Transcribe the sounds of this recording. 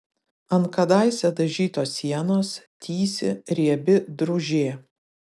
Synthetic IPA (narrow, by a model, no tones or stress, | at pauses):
ɐnkɐd̪ɑˑɪsʲɛd̪ɐʒʲiːt̪oːsʲiɛnoːst̪ʲʰiːsʲɪ̰ɾʲiɛbʲɪd̪ɾʊʒʲeː